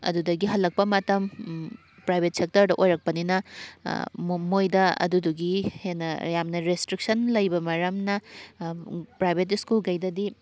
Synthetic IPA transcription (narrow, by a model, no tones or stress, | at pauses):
ɐ̰dudɐɡiɦɐlːɐk̚pɐmɐtɐm | pɾajbʱet̚sek̚tɐɾdɐʔojɾɐk̚pɐninɐ | mojdɐɐ̰duduɡihenɐjamnɐɾestɾik̚sɐnlɐjbɐmɐɾɐmnɐ | pɾajbʱet̬iskulɡɐjdɐdi